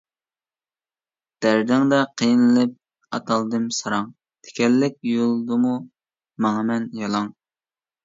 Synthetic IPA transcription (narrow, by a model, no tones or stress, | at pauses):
d̪̥æɾd̪ɪŋd̪ɛqʰejnɨlɪp̚ | ɑ̰t̪ʰɑlˠd̪ɨmsɑɾɑŋ | t̪ʰe̥kʲʰɛlːɪk̚ʲjolˠd̪ɨmu | mɑŋɑmɛnjɑlˠɑŋ